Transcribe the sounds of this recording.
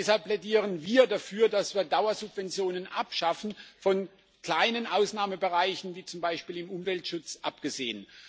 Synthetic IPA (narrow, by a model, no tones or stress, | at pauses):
ɛshalpːl̥ɛdiːʁ̞ənviːɐdafyːɐdasv̥iːɐdaʊɐzʊbv̥ɛnt͡sjoːnənʔapʃafn̩fɔn | kl̥aɪnənʔaʊsnaːməbəʁaɪçn̩viːt͡sʊmbaɪʃpiːlɪmʔʊmvɛltʃʊt͡sʔapɡ̥əzeːən